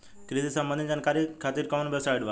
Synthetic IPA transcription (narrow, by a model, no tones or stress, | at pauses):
kɾid̪isəmbənd̪ind͡ʑankaɾikʰat̪iːɾkaʋnbɛsajɖʋa